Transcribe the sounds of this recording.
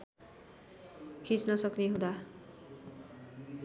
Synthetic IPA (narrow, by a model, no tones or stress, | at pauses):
kʰit͡snʌsʌkneɦũd̪a